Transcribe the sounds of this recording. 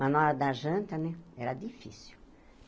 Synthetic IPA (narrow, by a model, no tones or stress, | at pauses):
ɐnɔɾɐd̪aʒɐ̃nt̪ɐnɛɛɾɐd̪ifḭsi̥w